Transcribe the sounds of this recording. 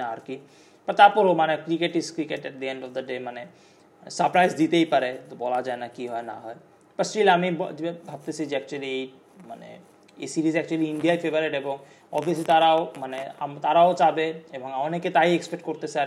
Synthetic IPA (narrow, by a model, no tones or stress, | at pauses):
aaɾki | pɐɾt̪aɾpɔɾomanekɾikeʈiskɾikeʈɛʈ̚d̪iẽɳɖɔfd̪ɐɖemane | səɾpɾajzd̪it̪eipaɾet̪obɔlad͡ʑaenakiɦɔena̰ɦɔe | pəɾsʈilamibbʱab̚t̪et͡ʃʰid͡ʑeɛk̚t͡ʃuəliej | manḛ | ḛisiɾizɛk̚t͡ʃuəliiɳɖijaifebəɾeʈeboŋ | ɔ̰bʱiəslit̪aɾaomanea̰mt̪aɾaot͡ʃabeeboŋɔneket̪aiekspek̚ʈ̚koɾt̪et͡ɕʰa